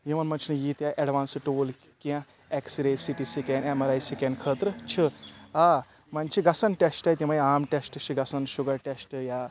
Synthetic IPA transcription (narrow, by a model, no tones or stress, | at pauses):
jiʋɐnmɐnt͡ʃʰinɨjit̪ʲjaʔeɖʋaːnsɨʈoːl | kiã | eksiɾeːsiʈisikenemɐɾaːjsikenkʰəːt̪ɾɨt͡ʃʰɨaː | mɐnt͡ʃʰiɡɐsɐnʈesʈɐjt̪imɐjaːmʈesʈɨt͡ʃʰiɡɐsɐnʃuɡɐɾʈesʈɨjaː